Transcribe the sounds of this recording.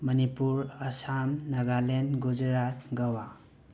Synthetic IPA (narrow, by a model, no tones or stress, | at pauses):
mɐnipuɾɐsamnaɡalenɡud͡ʒɾatɡɐwa